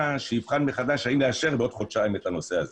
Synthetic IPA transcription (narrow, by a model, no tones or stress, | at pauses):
aʃejivχanmeχad̪aʃhaimleaʃe̞ʁbeo̞d̪χodʃaemetano̞seaze